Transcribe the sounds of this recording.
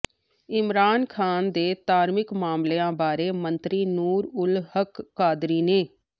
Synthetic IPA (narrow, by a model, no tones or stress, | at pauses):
ɪmɾaːnkʰaːnd̪eːt̪aːɾmɪkmaːmleːãːbaːɾeːmənt̪ɾiːnuːɾʊlhəkːaːd̪ɾiːneː